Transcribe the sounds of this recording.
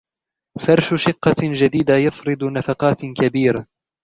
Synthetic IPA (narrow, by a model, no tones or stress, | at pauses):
fɑɾˤʃʊʃɪqːɑd͡ʒad̪iːd̪ajɑfɾɨd̪nafɑqɑːt̪kabiːɾa